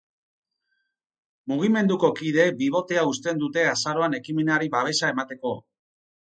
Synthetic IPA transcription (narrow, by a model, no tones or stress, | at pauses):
muɣ̞ime̞nd̪uko̞kið̞e̞biβ̞o̞t̪e̞aust̪e̞nd̪ut̪e̞asaɾo̞ane̞kime̞neaɾiβaβ̞e̞sae̞mat̪e̞ko̞